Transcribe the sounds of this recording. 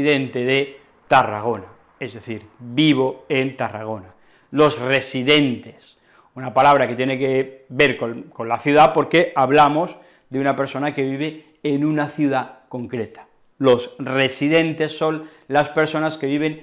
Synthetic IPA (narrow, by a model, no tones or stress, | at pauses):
iðent̪e̞ðe | t̪ara̰ɣ̞o̞na | ezðe̞θiɾbiβ̞o̞ent̪ara̰ɣ̞o̞na | lo̞sre̞siðe̞nt̪e̞̥s | unapalaβ̞ɾake̞t̪jenekebe̞ɾkoko̞nlaθjuð̞apo̞ɾke̞ʔaβlamo̞z | ðeunape̞ɾso̞nake̞βiβ̞eː | nũnaθjuðako̞ŋkɾe̞t̪ḁ | lo̞sre̞siðe̞nt̪e̞sːo̞nlaspe̞ɾso̞naske̞βiβe̞ŋ